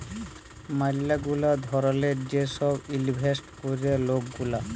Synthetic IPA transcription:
malːaɡulad̪ʱɔɾoled͡ʑeʃɔbilibʱesʈkoɾielok̚ɡula

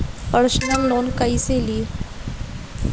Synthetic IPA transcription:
pəɾsnəlːonkaiːseliː

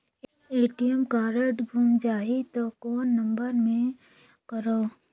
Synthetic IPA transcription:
eːʈijəmkaːɾəʈbʱuːmd͡ʒaːɦit̪okɔːnːɐmbəɾmẽ | kəɾoː

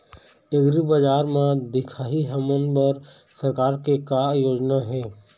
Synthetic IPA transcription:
eɡɾibəd͡ʒaːɾmãd̪ɪkʰaːɦiɦəmənbəɾ | səɾkaːɾkekajoːd͡ʒnaɦɛː

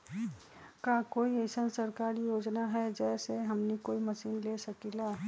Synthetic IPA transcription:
kakoːiesənsəɾkaːɾjoːd͡ʒnaɦɛd͡ʒɛːseɦɐmnikoːimɐsiːnlesəkilaː

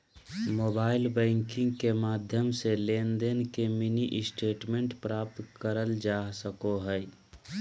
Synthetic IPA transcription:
moːbaːɪlbɛ̃ːŋkɪ̃ŋɡkemaːd̪ʱjəmseleːnd̪enkeminiʔɪsʈeːʈmẽɳʈpɾaːp̚t̪kəɾəld͡ʒaːsəkoɦɛ

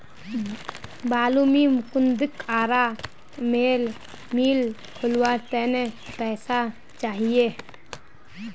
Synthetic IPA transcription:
baːlumimkʊnd̪ɪkaːɾa | meːl | miːl | kʰʊlwaɾt̪ɛːnepɛːsa | t͡ʃaːɦije

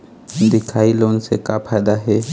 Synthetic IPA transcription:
d̪ekʰailonsekapʰajd̪aɦɛ

